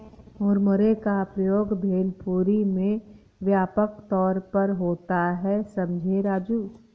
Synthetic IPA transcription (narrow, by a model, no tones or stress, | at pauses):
ʊɾmʊɾekapɾəjoːɡbʱeːlpuːɾimẽ | ʋjaːpəkt̪ɔːɾpɐɾɦoːt̪aɦɛsɐ̃md͡ʒʱeɾaːd͡ʒuː